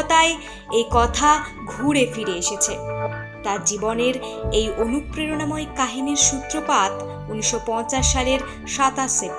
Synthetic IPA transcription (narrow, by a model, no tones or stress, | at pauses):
t̪ae | ejkɔt̪ʰa | ɡʱuɾefiɾeeʃet͡ɕʰe | t̪aɾd͡ʑiboneɾejʔonupːɾeɾonamoekaɦiniɾʃut̪ːɾopat̪ | uniʃopɔ̃jt͡ɕaʃːaleɾ | ʃat̪aʃe